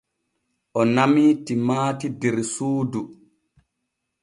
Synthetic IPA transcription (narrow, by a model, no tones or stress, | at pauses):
ʔɔnamiːtimaːtidɛɾsuːdu